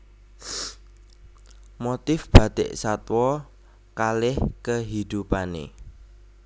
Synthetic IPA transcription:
mot̪ɪfb̥a̤d̪̥ɪ̰ʔsat̪wɔ | kalɪhkəɦid̪̥upanḛ

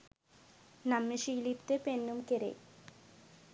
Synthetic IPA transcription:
namːeʃiːlipt̪epenːumkeɾḛj

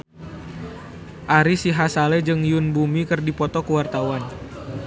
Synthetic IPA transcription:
ʔaɾisiɦasalɛd͡ʒɨŋjunbumikɨrdipɔt̪ɔkəwart̪awan

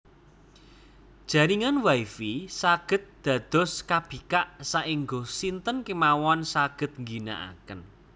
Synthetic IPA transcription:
d̥ʒ̥ä̤ɾiŋanwaifisaɡ̥ə̤t̪̚d̪̥ä̤d̪̥ɔ̤skab̥i̤kaʔsaʔiŋɡosint̪ənkimawɔnsaɡ̥ə̤t̪̚ŋɡina̰ʔa̰kən

